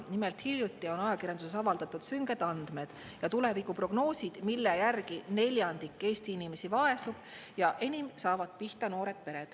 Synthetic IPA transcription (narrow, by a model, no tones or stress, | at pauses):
nimelt̪hiljut̪ːˑio̞nɑjɑkirɾjɑnd̪usesɑvɑld̪̥ɑt̪ːˑud̪̥syŋɡe̞d̪̥ɑnd̪̥me̞d̪̥ | jɑt̪ule̞vikupro̞ɡ̥no̞ːsid̪̥milːejærɡine̞lʲjɑnd̪ikːˑe̞ːst̪iinime̞sivɑe̞sub̥ | jɑʔe̞nʲimsɑːvɑd̪̥̚piht̪ɑno̞ːɾe̞d̪̥̚pe̞ɾe̞d̪̥